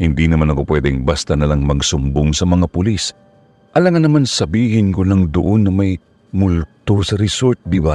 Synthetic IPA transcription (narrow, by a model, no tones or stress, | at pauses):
hɪnd̪inɐmanɐkopwɛd̪ɛŋbast̪ɐnɐlaŋmɐɡsʊmboŋsɐmɐŋapʊlis | ʔɐlɐŋɐnːɐmansɐbiːhɪnkolɐŋd̪ʊ̰ʔonːɐmɐj | mʊlt̪osɐɾɛsoɾt̪̚d̪ɪba